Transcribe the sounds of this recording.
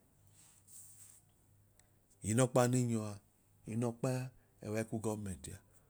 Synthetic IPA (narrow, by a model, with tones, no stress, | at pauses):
i˨˦nɔ˦k͡pa˧˦ni˦ɲɔ˧a˨ | i˨˦nɔ˧k͡pa˦a˦ | ɛ̰˨wɛ˨˦ku˦ɡɔ˦mɛ˨n˨ti˨a̰˨